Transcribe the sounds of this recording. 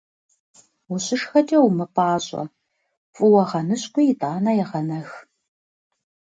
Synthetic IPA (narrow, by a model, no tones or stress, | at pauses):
wʊɕɪʂxɐtʼɐwmɨpʰʼaːɕʼɐ̰ | fʼʊwɐʁɐnɨɕkʷʊjɪtʼaːnɐjɛʁɐnɐx